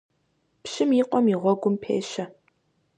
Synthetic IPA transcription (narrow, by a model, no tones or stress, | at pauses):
pɕɪmjiːqʷɔmiʁʷɔɡʷʊmpʰḛːʃɐ